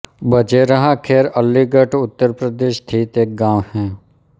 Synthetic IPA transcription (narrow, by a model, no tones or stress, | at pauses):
bəd͡ʒeɾəɦãkʰeːɾəlːiɡəʈʊt̪ːəɾpɾəd̪eːʃt̪ʰiːt̪eːk̚ɡãːwhɛ̃ː